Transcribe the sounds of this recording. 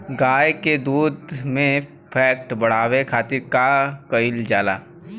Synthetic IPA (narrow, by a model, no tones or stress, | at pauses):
ɡaːjked̪uːd̪mẽ | pʰɛːk̚ʈbɐɽ̤aːwekʰaːt̪ɪɾkakəɪld͡ʒaːlaː